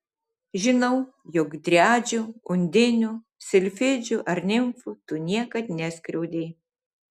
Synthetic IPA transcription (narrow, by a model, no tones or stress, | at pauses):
ʒʲɪnɐʊ | jɔkd̪ʲɾʲæːd͡ʒʲʊʊnʲd̪ʲɪnʲʊ | sʲɪlʲfʲɪd͡ʒʲʊʔɐɾʲnʲɪmfʊt̪ʊnʲiɛkɐt̪nʲɛsʲkʲɾʲɛʊd̪ʲeɪ